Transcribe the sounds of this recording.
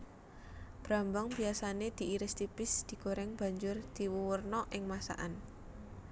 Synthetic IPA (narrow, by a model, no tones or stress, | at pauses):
b̥ɾambaŋbiasaned̪̥i̤iɾɪst̪ipɪsd̪̥i̤ɡoɾɛŋb̥a̤ɲd͡ʒʊrd̪̥i̤wuwərnɔʔɪŋmasa̰ʔan